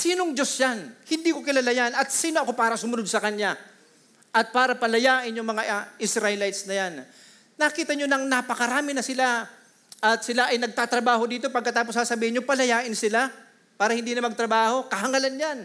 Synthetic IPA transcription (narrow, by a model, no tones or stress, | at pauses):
siːno̞ŋd͡ʒo̞sjanhɪnd̪iːko̞kɪlaːlajanɐt̪̚siːnoʔɐko̞paːɾɐsʊmʊnod̪̚sɐkɐɲja | ʔɐt̪̚paːɾɐpɐlɐjaːʔɪnjʊŋmɐŋaʔʔɪsɾalajt̪snɐjanː | ɐkiːt̪ɐɲonɐŋnapɐkɐɾaːmɪnɐsɪla | ʔɐt̪̚sɪlaʔɐjnɐɡ̚t̪aːt̪ɾɐbaːɦo̞d̪iːt̪o̞pɐɡ̚kːɐt̪aːp̬o̞sasɐbiːɪnɲopɐlɐjaːʔɪnsɪla | paːɾɐhɪnd̪iːnɐmɐɡ̚t̪ɾɐbaːho̞kɐɦɐŋɐlanjan